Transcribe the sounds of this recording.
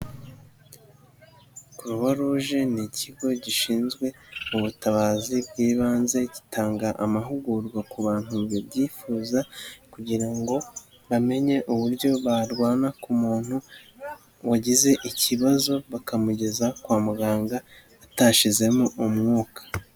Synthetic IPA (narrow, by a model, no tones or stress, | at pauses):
kuɾuβaɾuʒenicʰiɡo̞ɟiʃiːnzɡwe̞uβutaβaːzibɡiːβaːnze̞ɟi̥tʰaːŋɡaʔamaɦuɡuɾɡwakuβaːn̥huβibɟiːfuːzakuɟiɾaŋɡo̞ | βame̞ɲe̞ʔuβuɾɟo̞βaɾɡwaːnakumuːn̥hu | waɟize̞ʔiciβazo̞βakamuɟe̞zakwaːmuɡaːŋɡaː | taʃize̞moʔumŋuːkḁ